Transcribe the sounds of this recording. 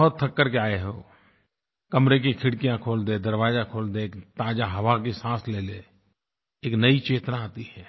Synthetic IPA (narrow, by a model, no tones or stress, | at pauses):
ɔɦt̪ʰːəkːəɾkeaːeɦoː | kəmɾek̬ikʰɪɽkijãkʰoːld̪ed̪əɾʋaːd͡ʒakʰoːld̪eːkt̪aːd͡ʒaɦɐʋakisãːsleːleː | eːknəit͡ʃeːt̪nãaːt̪iɦɛː